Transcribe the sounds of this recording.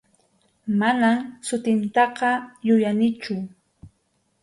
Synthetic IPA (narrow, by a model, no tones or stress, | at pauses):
manamsʊt̪ɪnt̪ɑqɑjʊjanɪt͡ʃʊ